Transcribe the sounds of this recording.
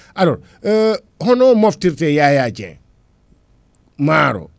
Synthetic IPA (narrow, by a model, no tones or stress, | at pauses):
aloɾ | ɦɔnomɔftiɾtejajat͡ʃɛ̰̃ | maɾo̰